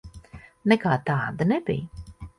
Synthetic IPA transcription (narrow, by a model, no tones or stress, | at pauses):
nɛkaːt̪aːd̪ɐnɛbḭj